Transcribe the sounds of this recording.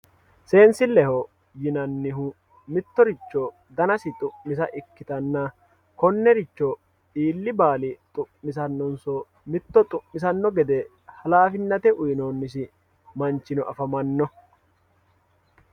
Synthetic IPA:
se̞ːnsɪlɛhɔ | jɪnɐnːɪɦʊ | mɪt̪ːɔɾɪt͡ʃːɔ | d̪ɐnɐsɪt̪ʼʊʔmɪs̬ɐʔɪkːɪt̪ɐnːɐ | kɔnːɛɾɪt͡ʃːɔ | ᶑiːlːɪbaːlɪt̪ʼʊʔːɪs̬ɐnːɔnsɔ | mɪt̪ːɔt̪ʼʊmːɪs̬ɐnːɔɡɛd̪ɛ | hɐlaːfɪnːɐt̪ɛʔʊjnoːnːɪs̬ɪ | mɐnt͡ʃːɪnɔʔɐfɐmɐnːɔ

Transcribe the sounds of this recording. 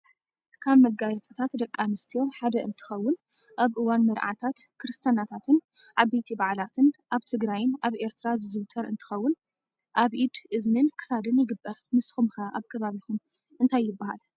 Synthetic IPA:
kʰaβmɐɡaɾɐt͡sʼɨt̪ʰat̪d̪ɐkʼːamɨst̪ʰijo̞mħad̪ɐʔɨnt̪ʰɨ̥xɐwːʊn | ʔaβʔɨwanmɐɾʔa̰t̪ʰat̪kʰɨɾɨst̪ʰjanat̪ʰat̪ʰɨnʕaβejt̪ʰibaʕlat̪ʰɨnʔaβt̪ʰɨɡɾajɪnʔaβʔe̞ɾt̪ʰɨɾazɨzɨwt̪ʰɐɾɨ̰nt̪ʰɨ̥xɐwːʊn | ʔaβʔid̪ʔɨznɨnkʰɨ̥sad̪ɨnjɪɡɨbːɐɾmɨsxumxɐʔaβkʰɐβaβixum | ʔɨnt̪ʰajːɪbːaha̰l

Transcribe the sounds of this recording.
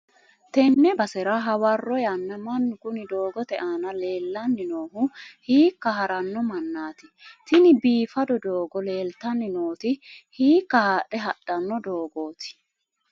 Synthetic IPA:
t̪ɛnːɛbɐsɛɾɐɦɐwɐrːɔjɐnːɐmɐnːʊkʊnɪd̪o̞ːɡɔt̪ɛʔaːnɐle̞ːlːɐnːɪnoːɦʊhiːkːɐɦɐɾɐnːɔmɐnːaːt̪ɪ̥t̪ɪnɪbiːfɐd̪ɔd̪oːɡɔle̞ːlt̪ɐnːɪnoːt̪ɪhiːkːɐhaːɗɛɦɐɗ̥ːɐnːɔd̪o̞ːɡo̞ːt̪ɪ̥

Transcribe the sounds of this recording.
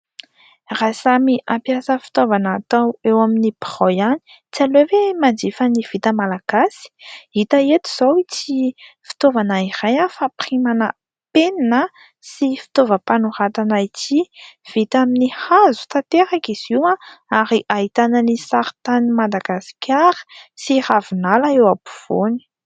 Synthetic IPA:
rasamiʔampjasəfi̥t̪ovanat̪awewaminipʁɔjani̥ | t͡sialevwemand͡ʒifəniv̥it̪əmalaɡ̥asi̥it̪aet̪u̥z̥awit͡si | fi̥t̪ovanairajafaprimanə | peninə | sifi̥t̪ovəpanuɾat̪anait͡siv̥it̪aminihazu̥t̪at̪eɾakiz̥iwãaɾiʔaɦit̪ananisaɾi̥t̪animad̪aɡ̥asi̥kʲʰaɾə̥siravunalaewabu̥v̥oni̥

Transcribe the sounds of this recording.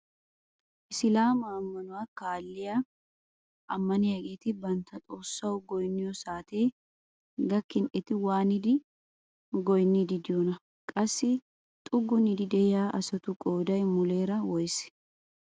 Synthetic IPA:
ʔɪsɪlaːmɐːmːɐnʊwaːkaːlːɪja | ʔɐmːɐnɪjɐɡeːt̪ɪbɐnt̪ʰɐt̪ʼoːsːɐwʊɡɔjnːɪjɔsaːt̪e̞ː | ɡɐkːɪnʔɛt̪ɪwaːnɪd̪ɪ | ɡɔjnːɪd̪ɪd̪ɪjɔnɐ | kʼɐsːɪ | t̪ʼʊɡːʊnɪd̪ɪd̪ɛjaːʔɐsɐt̪ʊkʼoːd̪ɐjmʊle̞ːɾɐwɔjs

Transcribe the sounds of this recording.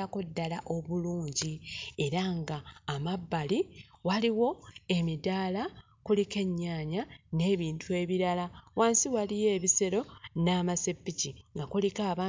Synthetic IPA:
ako̞dːalaʔo̞βuluːɲɟie̞ɾaŋɡaːmabːaliwaliwo̞e̞midaːla | kulike̞ɲːaːɲane̞ːβiːntʰue̞ːβiɾalawaːnsiwalije̞ːβiseɾo̞naːmasepːiciŋɡakulikaːβa

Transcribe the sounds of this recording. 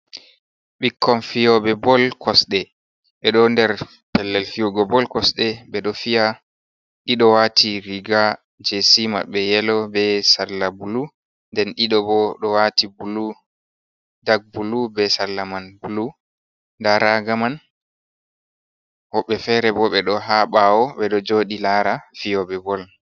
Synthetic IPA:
ɓikʰːɔnfijɔɓɛbɔlkʰɔsɗɛ | ɓɛɗɔndɛɾ | pɛlːɛlkijuɡɔbɔlkɔsɗɛɓɛɗɔfija | ɗiɗɔwatʰiɾiɡa | d͡ʒesima̰ɓɛjɛlɔbɛsalːabulu | ndɛnɗiɗɔbɔɗɔwatibulu | daɡ̚bulubɛsalːamanbulu | ndaɾaɡaman | hɔɓːɛfɛɾɛbɔɓɛɗɔɦaɓawɔɓɛɗɔd͡ʒoɗilaːɾafijɔbɛbɔl

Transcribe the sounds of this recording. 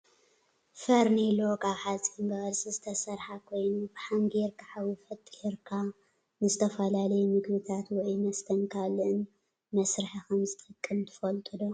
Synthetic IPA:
fɐɾnelokʼaβħat͡sʼimbɐɣɐɾsʼizɨt̪ʰɐsɐɾħakʰo̞jnub̥ɨħaŋɡeɾkʰaħawifɐt̪ʼːiɾkʰa | nɨzɨt̪ʰɐfɐlalɐjumɨɡbɨt̪ʰat̪wɔʔimɐst̪ʰɐŋkʰalɨn | mɐsɾɨħikʰɐmzɨt̪ʼɨkʼːɨmt̪ʰɨ̥fɐlt̪ʼɨd̪o

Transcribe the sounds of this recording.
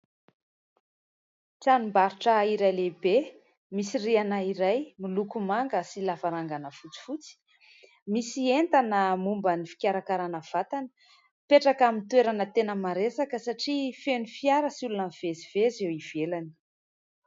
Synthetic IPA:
ʈ͡ʂanumbaɾiʈ͡ʂəiɾajlebe | misirianaiɾajmilukumaŋɡəsilafaɾaŋɡanəfut͡si̥fut͡si̥ | misient̪anəmumbənifi̥kʲaɾakaɾanəv̥at̪anə̥ | peʈ͡ʂakamint̪weɾanət̪enəmaɾesakəsaʈ͡ʂifenufiaɾəsulunəv̥ezivezewivelanə̥

